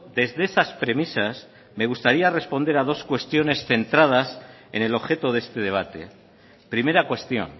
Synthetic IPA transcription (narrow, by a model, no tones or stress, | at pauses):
d̪e̞zðeesaspɾe̞misas | me̞ɣust̪aɾiare̞spo̞nd̪e̞ɾað̞o̞skwe̞st̪jo̞ne̞sθe̞nt̪ɾað̞as | e̞ne̞lo̞βxe̞t̪oðe̞st̪e̞ð̞e̞β̞at̪e̞̰ | pɾime̞ɾakwe̞st̪jo̞̰n